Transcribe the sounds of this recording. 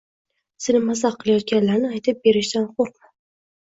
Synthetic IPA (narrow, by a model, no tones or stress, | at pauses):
senɪmasaqʰːɨlˠajɒt̪̚ɡʲanlaɾnɪajt̪ʰɪp̚be̞ɾɪʃt̪anχoq̚ma